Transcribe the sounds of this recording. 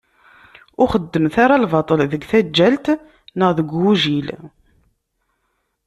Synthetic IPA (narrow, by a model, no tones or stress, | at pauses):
ʊχəd̪ːəmθaɾalvɑt̪ˤəlðəɡθæd͡ʒːælt̪ | nəʁðəɡʷːuʒil